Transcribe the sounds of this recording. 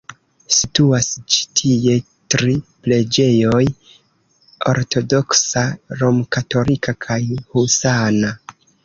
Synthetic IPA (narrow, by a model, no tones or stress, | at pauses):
situasd͡ʒi̥tʰie̞ | tɾiple̞d͡ʒe̞jo̞j | o̰ɾtʰo̞do̞ksaɾo̞mkato̞likʰakʰajhusana